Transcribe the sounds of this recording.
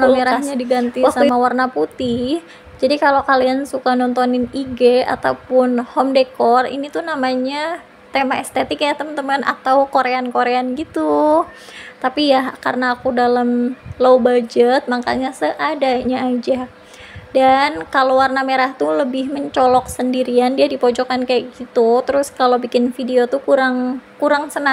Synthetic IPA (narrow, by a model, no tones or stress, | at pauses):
nameɾahɲadiɡant̪isamawarnaput̪ɪh | d͡ʒadikalokaliansukanɔnt̪ɔnɪniɡea̰t̪aupʊnhɔmdekɔrḭnit̪unamaɲa | t̪emaɛst̪et̪ɪkjat̪əmənt̪əmana̰t̪awkoɾeankoɾeanɡit̪u | t̪apijakarnaːkudalamlowbad͡ʒət̪̚maka̰ɲasəʔadaɲaːd͡ʒa | dankalowarnameɾaht̪uləbɪhməɲt͡ʃɔlɔk̚səndiɾiandiadipod͡ʒɔkankajaʔɡit̪ut̪əɾʊskalobikɪnfideot̪ukuɾaŋkuɾaŋsəna